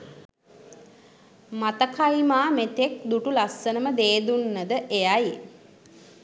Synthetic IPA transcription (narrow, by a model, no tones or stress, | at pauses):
mat̪əkʰajmaːmet̪ek̚d̪uʈulasːənəməd̪eːd̪unːəd̪əʔejaje